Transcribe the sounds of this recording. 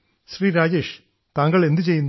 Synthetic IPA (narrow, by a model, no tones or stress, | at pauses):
ɕriːɾaːd͡ʑe̞ːʂ | t̪aːŋɡɐɭe̞nd̪ɨt͡ɕe̞junː